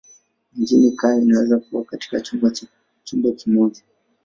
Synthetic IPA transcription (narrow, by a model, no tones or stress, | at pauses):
ɲd͡ʒinikaainawɛzakuakati̥kat͡ʃu | t͡ʃumbɔkimɔʄa